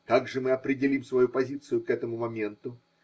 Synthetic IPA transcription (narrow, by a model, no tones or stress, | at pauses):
kaɡʐɨmɨɐpɾʲɪdʲɪlʲimsvɐjupɐzʲit̪sɨjʊkɛt̪əmʊmɐmʲe̞nt̪ʊ